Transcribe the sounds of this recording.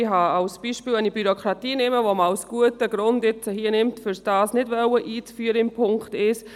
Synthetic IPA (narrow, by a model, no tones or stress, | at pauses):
ɪɦɑɑwsb̥iːʃpiːlɛnibyɾokʰɾɑtiːnɪməʋomawsɡ̥uətəɡɾʊndɪt͡səhiənɪmtfʏɾsd̥ɑːsnɪdʋœwəʔiːt͡sfyːəɾəɪmpʰʊŋktɪs